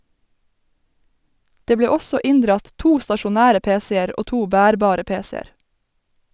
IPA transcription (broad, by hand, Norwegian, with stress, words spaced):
ˈdeː ˈbleː ˈɔsɔ ˈɪnˌdɾɑt ˈtuː stɑʃʊˈnæːɾə ˈpeːˌseːəɾ ˈoː ˈtuː ˈbæːɾˌbɑːɾə ˈpeːsɛəɾ